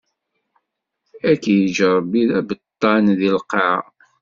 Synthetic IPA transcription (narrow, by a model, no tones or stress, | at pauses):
ækːjəʒəɾˤbiðæbət̪ˤːɑnðilqɑʕ